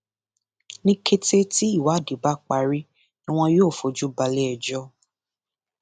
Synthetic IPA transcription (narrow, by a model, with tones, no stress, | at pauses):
nĩ˦ke˧te˦ti˦i˦˨wa˨˦˨di˨˦ba˦k͡pa˧ɾi˦ | nĩ˦w̃ɔ̃˧joː˦˨fo˨d͡ʒu˦ba˧le˦ɛ˧˨d͡ʒɔ˦